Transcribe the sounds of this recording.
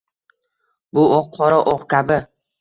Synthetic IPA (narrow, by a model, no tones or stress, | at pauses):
bʊoqqʰɒɾɒʔoqkʲʰabɪ